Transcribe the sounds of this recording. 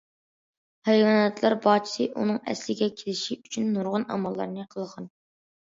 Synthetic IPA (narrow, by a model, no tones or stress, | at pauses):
hejwɑnɛt̪lˠɑɾbɑt͡ʃʰi̥sɨʔunɨŋɛ̰slɪɡʲɛkʲʰelɪʃiyt͡ʃʰynːuɾʁʊnɑ̰mɑlˠːɑ̰ɾnɨqʰəlˠʁɑn